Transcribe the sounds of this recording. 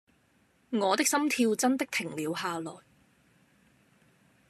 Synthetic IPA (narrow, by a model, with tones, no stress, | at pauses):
ŋɔː˨˧t̪ɪ˥k̚sɐ˥mt̪ʰiː˧wt͡sɐ˥nt̪ɪ˥k̚t̪ʰɪ˨˩ŋliː˨˧wɦaː˨lɔː˨˩j